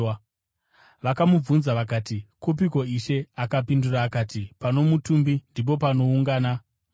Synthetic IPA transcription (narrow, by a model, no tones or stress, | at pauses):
ʋakamub͡vunzaʋakaːtikup̬iko̞iʃe̞akapinduraːkaːtipano̞mutumbindip̬o̞pano̞uŋɡaːna